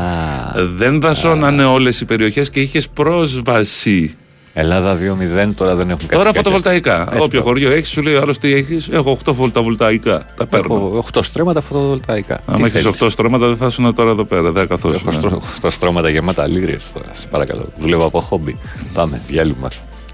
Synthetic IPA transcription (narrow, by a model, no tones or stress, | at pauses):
ɐðe̞nðɐso̞nɐne̞o̞le̞sipe̞ɾio̞çe̞sceiçe̞spɾo̞zvɐsi | elɐðɐðiomiðent̪o̞ɾɐðenexuŋkat̪oɾɐfkot̪ovolt̪ɐikɐopçoxoɾʝo̞eçi̥suleioɐlo̞st̪ieçise̞ɣoxt̪ofolt̪ɐvolt̪ɐikɐt̪ɐpeɾnoxt̪ost̪ɾomɐt̪ɐfot̪ovolt̪ɐikɐ̰ɐ̰mmeçiso̞xt̪ost̪ɾomɐt̪ɐðeθɐsonɐt̪o̞ɾɐe̞ðo̞pe̞ɾɐðeɐkɐθosuxt̪ost̪ɾomɐt̪ɐʝemɐt̪ɐ̰liɾiḛst̪o̞̰ɾɐ̰spɐɾɐkɐ̰lo̞̰ðulevoɐpoxobi | pɐmevʝelumɐ̰